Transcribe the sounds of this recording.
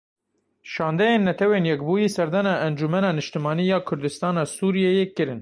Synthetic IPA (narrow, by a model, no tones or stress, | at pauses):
ʃɑːnd̪ɛjeːnːɛt̪ʰɛweːnjɛkbuːjiːsɛɾd̪ɑnɑːʔɛnd͡ʒumɛnɑːnɨʃt̪ɨmɑːniːjɑːkʰʊɾd̪ɨst̪ɑːnɑːsuːɾijɛjeːkɨɾɨn